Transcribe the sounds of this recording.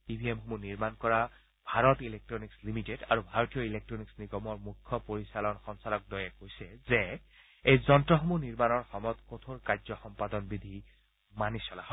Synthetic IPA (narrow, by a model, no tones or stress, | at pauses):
ibʱiemxomuniɹmankɔɹa | bʱaɹɔtilek̚tɹɔnikslimiteda̰ɹubʱaɹotijɔilek̚tɹɔniksniɡɔmɔɹmukʰːɔpoɹisalɔnxɔnsalɔk̚dɔjɛkojsɛzɛ | ejzɔntɹɔxomuniɹmanɔɹxɔmɔt̪kot̪ʰoɹkaɹzɔxɔmpad̪ɔnbid̪ʱi | manisɔlahɔ